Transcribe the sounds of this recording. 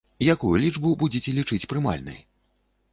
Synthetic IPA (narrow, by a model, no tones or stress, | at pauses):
jakujulʲid͡ʐbubud͡zʲit͡sʲɛlʲit͡ʂɨt͡sʲpɾɨma̰lʲnɨ̰j